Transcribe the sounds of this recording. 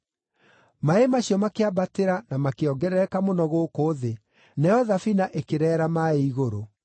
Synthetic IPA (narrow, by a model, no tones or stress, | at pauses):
maemaɕiɔmakeabateɾanamakeɔɡɛɾɛkamonɔɣokoːðe | nɛɔðafinaʔekeɾɛːɾamaeiɣoɾo